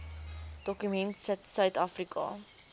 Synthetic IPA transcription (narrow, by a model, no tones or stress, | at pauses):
d̥ɔkymɛntsətsœɥtɑːfrikʰɑ̰